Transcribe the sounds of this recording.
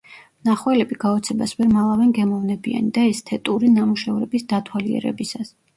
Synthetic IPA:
naχwɛlɛbiɡaɔt̪sʰɛbasvɛɾmalˠavɛŋɡɛmɔvnɛbia̰nid̪aɛst̪ʰɛt̪ʼuɾinamuʃɛvɾɛbisd̪at̪ʰwaliɛ̰ɾɛ̰bisas

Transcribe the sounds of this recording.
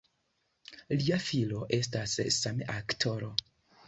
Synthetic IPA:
liafilo̞ʔe̞stassamḛʔaktʰo̞ɾo̞

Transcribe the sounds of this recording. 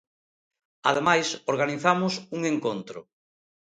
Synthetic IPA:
a̰ðemajsoɾɣaniθamʊsuŋeŋkont̪ɾʊ̰

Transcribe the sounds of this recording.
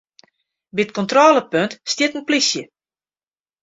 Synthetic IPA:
bit̚kɔntroːləpøntstjɪtənplisjə

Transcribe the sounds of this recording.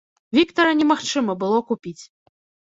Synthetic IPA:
vʲikt̪ɐɾɐnʲɛmaxt͡ʂɨmɐbɨlˠɔkupʲit͡sʲ

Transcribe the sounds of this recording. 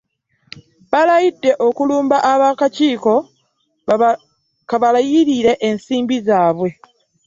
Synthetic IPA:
βalajidːe̞ʔo̞kuluːmbaʔaβakaciːko̞ | kaβalajiɾiɾe̞ʔensiːmbizaːβwe̞

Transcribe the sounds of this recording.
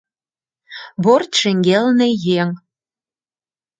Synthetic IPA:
bort̪ʃĕŋɡelnĕjeŋ

